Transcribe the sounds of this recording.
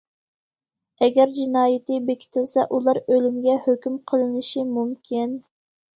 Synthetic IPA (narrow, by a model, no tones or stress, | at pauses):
ɛɡʲɛɾd͡ʒinɑːjɪt̪ɨbekʲʰi̥t̪ʰɪlsɛʔulˠɑɾølymɡʲɛhøkʲymqʰəlˠɨnɨʃimumkʲʰin